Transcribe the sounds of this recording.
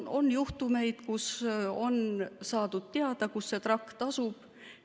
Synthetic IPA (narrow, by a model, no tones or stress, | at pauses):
o̞njuht̪ume̞jd̪̥kuso̞nsɑːd̪̥ud̪̥̚t̪eɑd̪̥ɑkusːe̞t̪rɑkːt̪ɑsub̥